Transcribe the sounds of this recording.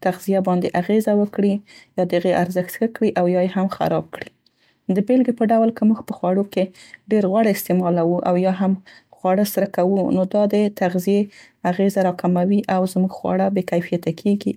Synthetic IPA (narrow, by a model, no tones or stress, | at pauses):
t̪aɣzijabɑnd̪eʔaɣezawəkɽijɑd̪əaɣeʔaɾzəxt̪xakɽiʔawjɑjeɦamxa̰ɾɑb̚kɽi | d̪əbelɡepəɖawlkəmuɡpəxwɑɽokeɖeɾɣwaɽɪst̪ɪmɑlawuʔa̰wjɑɦam | xwɑɽəsaɾakawunod̪ɑd̪ət̪aɣzije | aɣezaɾɑkamawiʔawzmuɡxwɑ̰ɽabekajfijat̪akʰeɡi